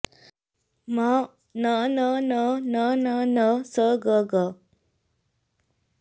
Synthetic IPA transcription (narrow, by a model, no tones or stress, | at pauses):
ma | nənənənənənəsəɡəɡə